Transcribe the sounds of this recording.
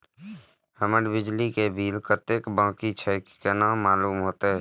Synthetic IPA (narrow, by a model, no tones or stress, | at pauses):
həməɽbɪd͡ʒlikebʱiːlkət̪ekbãːkit͡ʃʰəɪkkːenaːmaːluːmɦoːt̪eɦɛ